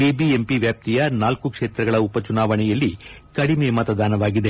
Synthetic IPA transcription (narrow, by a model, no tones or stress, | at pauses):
bibiempiʋjaːp̚t̪ijɐnaːlkukʂeːt̪ɾɐɡɐɭɐupɐt͡ʃunaːʋɐɳɛjɐlːikɐɽimeːmɐt̪ɐd̪aːnɐʋaːɡid̪e